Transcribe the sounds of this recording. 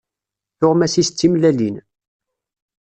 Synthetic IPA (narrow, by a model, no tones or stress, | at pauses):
θʊʁmæsist͡sːimlælin